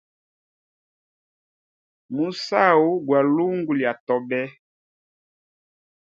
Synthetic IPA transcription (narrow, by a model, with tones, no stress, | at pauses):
mu˨sa˦˨wu˦ɡwa˨lu˦ŋɡu˨lja˨tɔ˨bɛ˦